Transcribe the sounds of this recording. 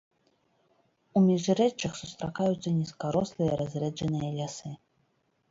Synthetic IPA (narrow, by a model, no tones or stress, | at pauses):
umʲiʐɾɛt͡ʂːɐxsust̪ɾakajut̪sːɐnʲiskaɾɔslˠɨjɛɾazʲɾɛd͡ʐɐnɨjɐlʲasɨ